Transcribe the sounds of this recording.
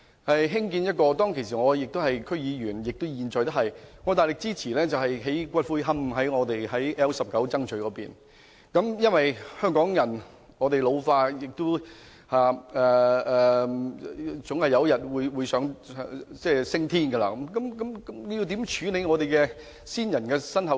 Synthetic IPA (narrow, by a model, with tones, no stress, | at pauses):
hɐ˨jɦɪ˥ŋkiː˧njɐ˥t̚kɔː˧t̪ɔː˥ŋkʰe˨˩js̬iː˨˩ŋɔː˨˧jɪ˨k̚t̪ʊ˥whɐ˨jkʰɵ˥ɥjiː˨˧ɥyː˨˩njɪ˨k̚t̪o˥wjiː˨nt͡sɔː˨jt̪ɐ˥hɐ˨jŋɔː˨˧t̪aː˨˩jlɪ˨k̚t͡siː˥t͡sʰiː˨˩lɛː˥t͡sɐ˨whɐ˨jɦe˨˥jkʷɐ˥t̚fuː˥jɦɐ˥mɦɐ˨˥jŋɔː˨˧t̪e˨jhɐ˨˥jʔɛː˥wsɐ˨p̚kɐ˨˥wt͡sɐ˥ŋt͡ʃʰɵ˨˧ɥkɔː˨˧˥piː˨˩n | kɐ˨˧˥mjɐ˥nwɐ˨jhœː˥ŋkɔː˨˥ŋjɐ˨˩n | ŋɔː˨˧t̪e˨jlo˨˧wfaː˧jɪ˨k̚t̪ʊ˥w | haː˨˩ɛː˨˩ɛː˨˩ | t͡sʊ˨˥ŋhɐ˨jɐ˧˥jɐ˨t̚wuː˨˧jwuː˨˧jsœː˨˥ŋ˨t͡sɛː˥˩sɪ˥ŋt̪ʰiː˥nɡə˧la̰ː˧kɐ˨˦mkɐ˨˦mkɐ˨˥mkm˨˧ji˧wt̪iː˨˥mt͡ʃʰyː˨˥ne˨˥jŋɔː˨˧t̪e˨jkɛː˧ | siː˥njɐ˨˩nkɛː˧sɐ˥nɦɐ˨